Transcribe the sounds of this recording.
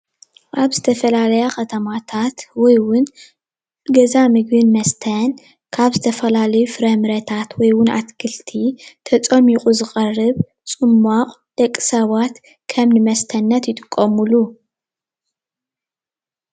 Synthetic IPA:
ʔaβzɨt̪ʰɐfɐlalɐjakʰɐt̪ʰɐmat̪ʰat̪wɔjwʊn | ɡɐzamɨɡbɨnmɐst̪ʰɐn | kʰaβzɨt̪ʰɐfɐlalɐjufɨɾɐmɨɾɐt̪ʰat̪wɔjwʊnʔa̰t̪kʰɨlt̪ʰit̪ʰɐt͡sʼɐmiqʼuzɨxʼɐrːɨβ | t͡sʼɨmːaqʼ | d̪̥ɐkʼːɨ̥sɐβat̪ | kʰɐmnɨmɐst̪ʰɐnːɐt̪jɪt̪ʼɨkʼːɐmulu

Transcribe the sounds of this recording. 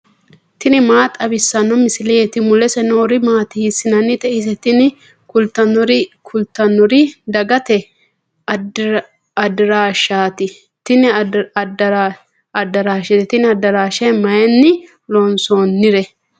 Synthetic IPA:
t̪ɪnɪmaːt̪ʼɐbɪsːɐnːɔmɪsɪlɛet̪ɪmʊlːɛsɛnoːɾɪmaːt̪ɪhɪsɪnɐnːɪt̪ɛʔɪs̬ɛt̪ɪnɪ | kʊlt̪ːɐnːɔɾɪkʰʊlt̪ːɐnːɔɾɪd̪ɐɡɐt̪ɛ | ɐd̪ɪɾaːʃːaːt̪ɪ | t̪ɪnɪ | ɐd̪ːɐɾaːʃɛt̪ɛt̪ɪnɪɐd̪ɐɾaːʃɐjmɐjɛnːɪ | lɔnsoːnːɪɾɛ

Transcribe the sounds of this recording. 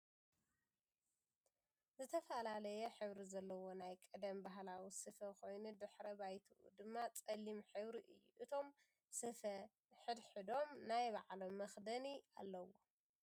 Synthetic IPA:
zɨt̪ʰɐfɐlalɐjɛħɨβɾizɐlːɐwo̞najkʼɨd̪ɐmbaɦlawisɨfɐkʰo̞jnud̪ɨħɾɐbajt̪ʰuʔṵd̪ɨmːat͡sʼɐlːimħɨβɾiʔɨjːṵʔɨt̪ʰo̞m | sɨfɐ | ħɨd̪ħɨd̪o̞mnajbaʕlo̞mːɐxd̪ɐnia̰lːɐwo̞

